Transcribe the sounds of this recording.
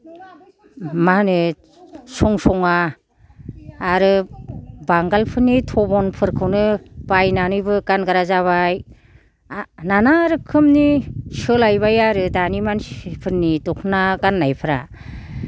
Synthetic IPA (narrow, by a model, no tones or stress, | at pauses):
manɯ | sɔŋsɔŋa | ɾɯ | baŋɡalpʰɯnːitʰɔbɔnpʰɯɾkʰɯwnɯb̥ajnanɯjbɯɡanɡaɾazaβaj | nanaɾɯkʰɯmnisɯlajbajaɾɯdanimanpʰɯnːidɔkʰnaɡanːajpʰɯɾa̰